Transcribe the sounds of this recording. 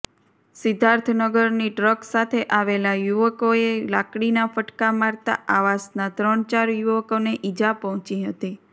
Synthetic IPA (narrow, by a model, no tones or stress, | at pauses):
sɪd̪ʱaɾt̪ʰnəɡəɾniɖɾəksat̪ʰeʔaʋelajuʋəkoelakɽinafəʈkamaɾt̪a̰aʋasnat̪ɾəɳt͡ʃaɾjuʋəkoneʔid͡ʒapəɦɔ̃t͡ʃiɦət̪i